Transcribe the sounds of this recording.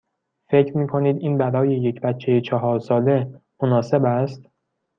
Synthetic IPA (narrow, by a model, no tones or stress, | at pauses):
fe̞cʰɾmiːkʰo̞niːd̪iːnbæɾɒːje̞jecʰbæt̪t͡ʃʰːejet͡ʃʰɒɦɒːɾsɒːle̞monɒːse̞bæst̪